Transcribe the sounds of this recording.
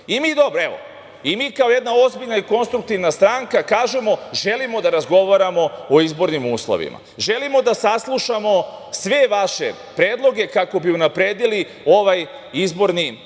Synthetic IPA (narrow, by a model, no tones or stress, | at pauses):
imiːd̪o̞bɾoe̞ʋo̞̰ | imiːkao̞je̞d̪nao̞zbiʎnaiko̞nst̪ɾuk̚t̪iʋnast̪ɾaːŋkakaːʒe̞mo̞ʒe̞limo̞d̪aɾazɡo̞ʋaɾamo̞ːizbo̞ɾnimuːslˠo̰ʋḭma̰ʒe̞limo̞d̪asaslˠuʃamo̞sʋe̞ʋaʃe̞̰ | pɾeːd̪lˠo̞ɡe̞kako̞biunapɾe̞ːd̪ili | oʋaj | izbo̞ɾni